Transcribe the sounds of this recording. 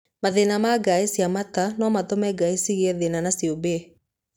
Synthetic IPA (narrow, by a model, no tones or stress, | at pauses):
maðenamaɡaesjamatanɔmatɔmɛɡaisiɣeɛðenanasiobe